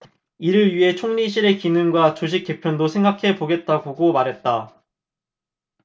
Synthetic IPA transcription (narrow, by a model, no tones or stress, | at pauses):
iɾɯɭɥiɦe̞t͡ɕʰoŋɲiɕ̬ʰiɾe̞kinɯŋɡwat͡ɕoɕ̬ʰik͈e̞pʰjʌndosʰe̞ŋɡakʰe̞poɡe̞t̚t͈aɡoɡomaɾɦe̞t̚t͈a